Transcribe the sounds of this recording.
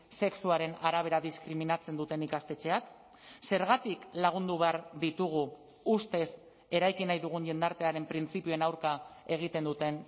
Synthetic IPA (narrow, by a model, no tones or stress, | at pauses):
se̞ksuaɾe̞naɾaβ̞e̞ɾaðiskɾiminat͡se̞nd̪ut̪e̞nikast̪e̞t͡ʃe̞ak | se̞ɾɣat̪iklaɣ̞und̪uβe̞aɾðit̪uɣ̞uː | st̪e̞s | e̞ɾajkinajðuɣ̞uɲʎe̞nd̪aɾt̪e̞aɾe̞mpɾint͡sipioenawɾkae̞ɣ̞it̪e̞nd̪ut̪e̞n